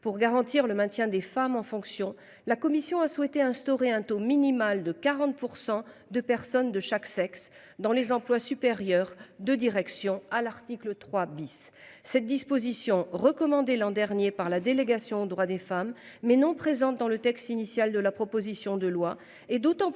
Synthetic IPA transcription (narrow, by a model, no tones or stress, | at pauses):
puʁɡaʁɑ̃t̪iʁləmɛ̃t̪jɛ̃d̪efamɑ̃fɔ̃ksjɔ̃ | lakɔmisjɔ̃aswɛt̪eɛ̃st̪ɔʁeɛ̃t̪ominimald̪əkaʁɑ̃t̪̚puʁsɑ̃d̪əpɛʁsɔnd̪əʃaksɛks | d̪ɑ̃lezɑ̃plwasypeʁjœʁd̪əd̪iʁɛksjɔ̃alaʁt̪iklət̪χwabisː | ɛt̪̚d̪ispozisjɔ̃ʁəkɔmɑ̃d̪elɑ̃d̪ɛʁnjepaʁlad̪eleɡasjɔ̃od̪ʁwad̪efamː | ɛnɔ̃pχezɑ̃t̪d̪ɑ̃lət̪ɛkst̪inisjald̪əlapχɔpozisjɔ̃d̪əlwa | ɛd̪ot̪ɑ̃